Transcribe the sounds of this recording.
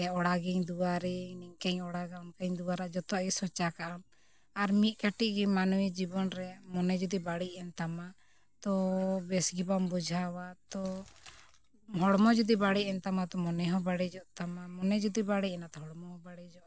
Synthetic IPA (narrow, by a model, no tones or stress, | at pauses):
aɔɽaɡɛɲd̪uaɾɛniŋkɛɲɔɽaɡankaɲd̪uwaɾad͡ʒɔt̪ɔʔisɔt͡ʃakaʔam | aɾmit̪̚kaʈiʔɡɛmanuwid͡ʒibɔnɾɛmɔnɛd͡ʒud̪ibaɽiʔɛnt̪ama | t̪ɔbɛsɡibambud͡ʒʱawat̪ɔ | ɦɔɽmɔd͡ʒud̪ibaɽiʔɛnt̪amat̪ɔmɔnɛɦɔ̃baɽɛd͡ʒɔʔt̪amamɔnɛd͡ʒud̪ibaɽicɛnat̪ɔɦɔɽmɔɦɔbaɽid͡ʒɔʔ